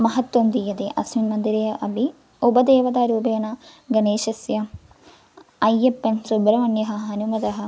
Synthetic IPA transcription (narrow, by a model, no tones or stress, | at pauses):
mɐɦɐt̪wɐmd̪ijɐd̪eʔɐsminmɐnd̪iɾeːjɐʔɐbʱi | ubɐd̪eːʋɐd̪aːɾuːbeːnɐɡɐneːʃɐsjɐ | ɐjːepːɐnsubɾɐʋɐnjɐɦɐ̆ɦɐnumɐd̪ɐɦɐ̆